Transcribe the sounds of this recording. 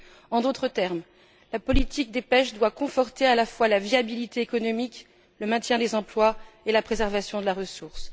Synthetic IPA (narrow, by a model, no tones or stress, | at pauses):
ɑ̃d̪ot̪χət̪ɛʁm | lapɔlit̪ik̚d̪epɛʃd̪wakɔ̃fɔʁt̪ealafwalaviabilit̪eːkɔnɔmik | ləmɛ̃t̪jɛ̃d̪ezɑ̃plwa | elapχezɛʁvasjɔ̃d̪əlaʁəsuʁs